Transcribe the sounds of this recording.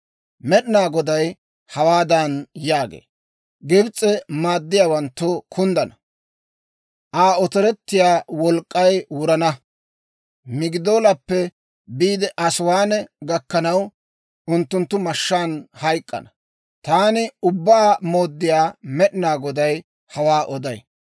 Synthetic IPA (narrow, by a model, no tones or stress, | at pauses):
mɛɗɪnaːɡɔd̪ɐj | hɐwaːd̪ɐnjaːɡḛː | ɡɪbt͡sʼːɛmaːd̪ːɪjaːwɐnt̪ːʊkʰʊnd̪ɐnɐ | ʔaːɔt̪ɔɾɛt̪ːɪjaːwɔlkʼːɐjwʊɾɐnɐ | mɪɡɪd̪o̞ːlɐpːɛ | biːd̪ɛʔɐswaːnɛɡɐkːɐnɐw | ʊnt̪ːʊnt̪ːʊmɐʃːaːnhɐjkʼːɐ̰nɐ | t̪aːnɪʊbːaːmoːd̪ːɪjaːmɛɗɪnaːɡɔd̪ɐj | hɐwaːʔɔd̪ɐj